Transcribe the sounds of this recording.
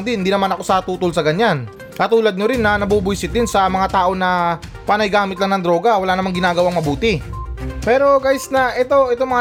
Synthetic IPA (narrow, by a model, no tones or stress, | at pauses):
ŋd̪ɪnɪnd̪iːnɐmanɐko̞sɐt̪uːt̪olsɐɡɐɲan | kɐt̪uːlɐd̪̚ɲoɾɪnːɐnɐbuːbʊjsɪt̪d̪ɪnsɐmɐŋat̪aːʔo̞nɐ | paːnɐjɡaːmɪt̪lɐŋnɐŋd̪ɾo̞ɡɐwɐlaːnɐmaŋɡɪnaːɡɐwaŋmɐbuːt̪ɪpɛːɾo̞ɡaːjɪsnɐʔɛt̪o̞ʔɛt̪omɐŋa